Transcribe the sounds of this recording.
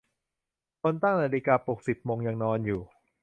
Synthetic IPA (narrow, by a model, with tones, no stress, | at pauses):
kʰo˧nt̪a˥˩ŋnaː˧li˧kaː˧po˨˩k̚si˨˩p̚moː˧ŋja˧ŋnɔː˧njuː˨˩